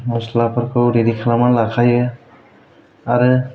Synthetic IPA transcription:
mɔslapʰaɾkʰɯwɾidikʰalamanlakʰajɯ | aɾɯ

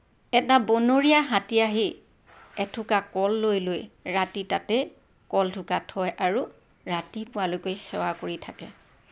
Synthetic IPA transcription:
ɛtabonoɹiaɦatiaɦi | ɛtʰʊkakɔlːojlojɹatitatɛ | kɔltʰʊkatʰɔjʔaɹu | ɹatipʊalojkojxɛ̰wakoɹitʰakɛ̰

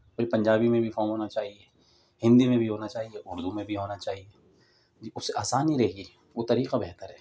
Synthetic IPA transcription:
koːipɐ̃ɲd͡ʒaːbimẽbʱifɔːmɦoːnat͡ʃaːɦie | hɪ̃nd̪imẽbʱiɦoːnat͡ʃaːɦieʔʊɾd̪ʱumẽbʱiɦoːnat͡ʃaːɦieː | d͡ʒiʊssːeʔaːsaːniɾɐɦɡi | ʋot̪ɐɾiːqabɛɦt̪əɾɦɛː

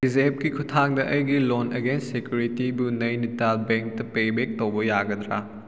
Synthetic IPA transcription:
dizep̚kikʰutʰaŋdɐʔɐjɡiloneɡenssekjuɾitibunɐjnitalbeŋk̚tɐpebek̚towbɐjaɡɐd̪ɾa̰

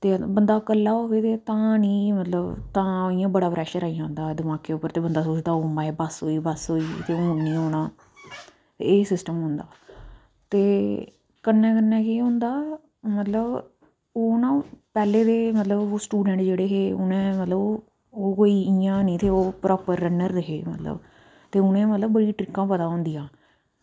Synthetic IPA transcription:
t̪eːbənd̪aːkəlːaːɦoːʋeːt̪eːt̪ãːnĩːmət̪ləbt̪ãːijãːbəɽaːpɾɛːʃəɾaːijãːɦʊ̃nd̪aːd̪ɪmãːkːeːʊpːəɾt̪eːbənd̪aːsoːt͡ʃd̪aːoːmaːeːbəsɦoːiːbəsɦoːiːt̪eːõːnːĩːɦoːɽ̃aː | t̪eːeːsɪsʈəmɦʊ̃nd̪aː | t̪eː | kənːɛ̃ːkənːɛ̃ːkiːɦʊ̃nd̪aː | mət̪ləb | oːʊnãːpɛːleːt̪eːmət̪ləboːsʈuːɖɛ̃ːɳʈd͡ʒeːɽeːɦeːʊnẽːmət̪ləb | oːkoːiːɪjãːnĩːt̪eːoːpɾɔːpəɾːənəɾɾeɦeːmə̰t̪lə̰b | t̪eːʊnẽːmət̪ləbbəɽiːʈɾɪkːãːpət̪aːɦõːnd̪ijãː

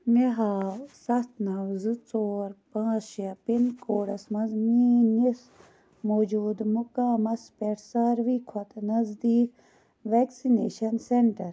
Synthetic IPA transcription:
miɦaːsɐst̪nɐwzɨt͡soːɾpãːzʃjɐpinkoːɽɐsmɐzmiːnis | moːd͡ʒuːd̪mukaːmɐspeʈsaːɾʋiːkʰot̪nɐzd̪iːk | ʋeksineːʃɐnseɳʈɐɾ

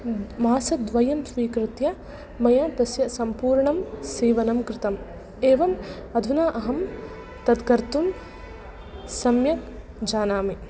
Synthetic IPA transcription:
maːsɐd̪ʋɐjɐmsʋiːkɾɪt̪jɐ | mɐjaːp̪ɾɐsjɐsɐmpuːɾɳɐmsiːʋɐnɐmkɾɪt̪ɐm | eːʋɐmɐd̪ʱunaːʔɐɦɐm | t̪ɐd̪kɐɾt̪um | sɐmjɐk | d͡ʒaːnaːmi

